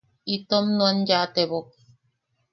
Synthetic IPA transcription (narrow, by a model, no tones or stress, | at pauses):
it̪omnũanjat̪eβok